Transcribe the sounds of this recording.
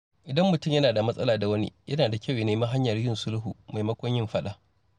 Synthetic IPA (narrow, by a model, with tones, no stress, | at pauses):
ʔɪ˨dɐ˦mːʊ˨tʊ˦˨mjɐ˦naː˨da˨mɐ˦sʼɐ̰˦laː˨da˨wɐ˦nḭ˦jʔɐ˦naː˨da˨kʲɐ˦˨wje˦neː˦mɐ˦ɦa˦ɲjɐ˨rjɪ˦nsʊ˦lɦṵ˨ma˨mɐ˦kʷɔ˦ɲjɪ˦mɸɐ˦ɗa˦